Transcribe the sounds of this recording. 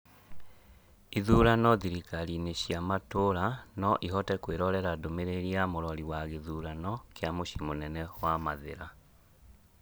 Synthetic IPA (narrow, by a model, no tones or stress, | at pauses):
iðuːɾanɔðiɾikaɾineʃjamatoɾanɔʔiɦɔtɛkweɾɔɾɛɾadomeɾeɾiamoɾɔɾiwaɣeðuːɾanɔkeamoʃimonɛnɛwamaðḛɾa